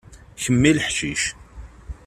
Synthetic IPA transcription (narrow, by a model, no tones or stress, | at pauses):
çəmːiləħʃiʃ